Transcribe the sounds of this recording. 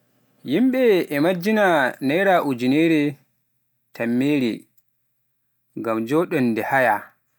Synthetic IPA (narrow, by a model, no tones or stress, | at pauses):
jimɓɛːmad͡ʒːinanɛjɾaʔud͡ʒineːɾɛ | tʰamːeːɾḭ | ŋɡamd͡ʒɔɗɔndɛhaja